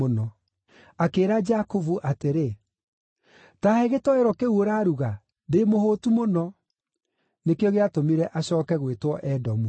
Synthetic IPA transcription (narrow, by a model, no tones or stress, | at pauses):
onɔ | akeːɾad͡ʒakovuʔateɾe | taheɣetɔeɾɔkeuoɾaɾuɣa | demohotumonɔ | nekeɔɣeatomiɾɛʔaɕɔːkɛɣwetwɔʔɛdɔmu